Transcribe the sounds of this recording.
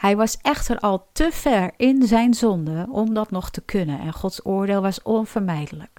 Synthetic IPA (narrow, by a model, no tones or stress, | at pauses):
hɛjʋɑsɛxtʰərɔlˠtʰəfɛɹɪnzɛjnzɔndəɔmdɔtnɔxtəkʰønənɛ̰nxɔtsoːɹdeːlˠʋɔsonfərmɛjdələk